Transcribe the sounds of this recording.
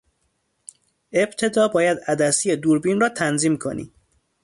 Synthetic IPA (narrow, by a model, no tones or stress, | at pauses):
e̞bt̪ʰe̞d̪ɒːbɒːjæd̪æd̪æsijed̪uːɾbiːnrɒːt̪ʰænziːmkʰo̞̰nḭː